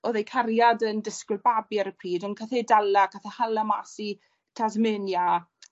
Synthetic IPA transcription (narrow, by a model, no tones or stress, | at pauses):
ɔðejkʰaɾjadəndɪskwɪlbabjaɾəpʰriːdɔnkʰaθedalˠakʰaθahalˠamasi | tʰazmɪnja